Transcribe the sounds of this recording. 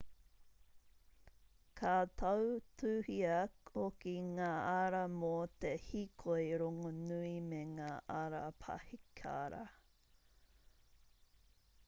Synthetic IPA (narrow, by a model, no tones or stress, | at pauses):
kʰat̪ʰɐwtʰʉːhiɐokiŋaːaɾɐmot̪ehikʰojɾoŋonuimeŋaːʔaɾɐpʰɐ̰hikʰa̰ɾɐ̰